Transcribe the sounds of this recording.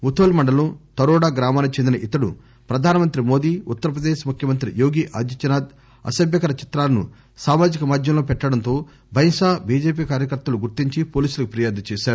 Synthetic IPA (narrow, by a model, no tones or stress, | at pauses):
mut̪ʰoːlmɐɳɖɐlut̪ɐɾɔːɽaːɡɾaːmaːnkt͡ʃend̪inɐʔit̪ɐɽṵ | pɾɐd̪ʱaːnɐmɐnt̪ɾimo̞ːd̪iːut̪ːɐɾɐp̬ɾɐd̪eːʃmukʰjɐmɐnt̪ɾijoːɡiːʔa̰ːd̪jɐt͡ʃːɐnaːd̪ | ɐ̰sɐbjɐkɐɾɐt͡ʃi̥t̪ɾaːlɐnṵ | saːmaːd͡ʒikɐmaːd̪ʱjɐmlo̞ːpɛʈːɐɽɐnt̪o̞ː | bʱɐjŋʃaːbiːd͡ʒeːp̬iːkaːɾjɐkɐɾt̪ːɐluɡuɾt̪iɲt͡ʃipoːliːsulɐkupɾɐjaːd̪ɐt͡ʃɛːʃaːɾu